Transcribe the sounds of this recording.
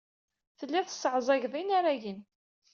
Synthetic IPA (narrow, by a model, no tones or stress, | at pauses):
θəlːæθə̥sːəʕzˤɑʝðˤinaɾaʝin